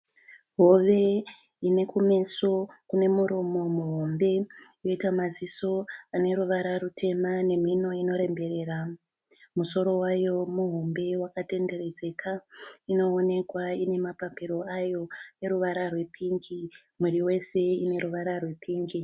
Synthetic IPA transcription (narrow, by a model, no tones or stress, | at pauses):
ɦo̞ʋe̞ | ine̞kume̞sokune̞muɾomo̞muɦombe̞jo̞itamaziso̞ane̞ɾuʋaɾarutʰe̞mane̞mino̞ino̞ɾe̞mbe̞re̞ːra | muso̞ɾo̞wajo̞muɦombe̞wakate̞nde̞re̞d͡ze̞kʰaino̞ːne̞kwaine̞mapampiɾo̞ajo̞e̞ɾuʋaɾarwe̞pʰiŋɡi | muriwe̞se̞ine̞ɾuʋaɾarwe̞pʰiːŋɡi